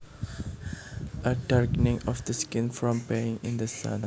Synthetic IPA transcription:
ʔəʈəɾknɪ̃ŋɔfd̪əskɪ̃nfɾɔ̃mpeːɪ̃ŋɪ̃nd̪əsa̰d̪

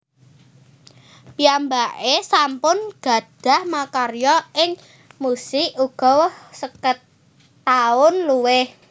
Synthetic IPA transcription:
piambaʔesampʊnɡ̥a̤d̥a̤hmakarjɔʔɪŋ | musɪʔuɡ̥ɔ̤hsəkət̪ː | aʊnluwɪh

